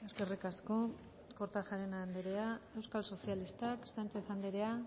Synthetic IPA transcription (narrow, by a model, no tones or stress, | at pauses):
eske̞rikasko̞ | ko̞ɾt̪aʝaɾenand̪eɾeae̞wskalso̞sialist̪aksant͡ʃe̞θand̪eɾea